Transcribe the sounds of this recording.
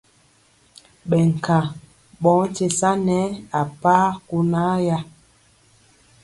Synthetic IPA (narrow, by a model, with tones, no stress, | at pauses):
ɓɛ˨ŋ̩˨ka˨ | ɓɔ̃˨˦t͡ʃe˨sa˦nɛ˦a˨paː˦ku˦na˦ja˦